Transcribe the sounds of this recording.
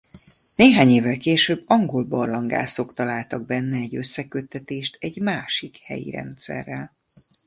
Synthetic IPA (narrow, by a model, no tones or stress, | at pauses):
neːɦaːɲeːvːɛlkeːʃøbːɒŋɡolbɒrlɒŋɡa̰ːso̞kt̪ɒlaːlt̪ɒɡ̚bɛnːɛːɟø̞sːɛkø̞t̪ːɛt̪eːʃt̪ɛɟmaːʃikhɛ̰jḭɾɛ̰nt̪sɛ̰rːɛl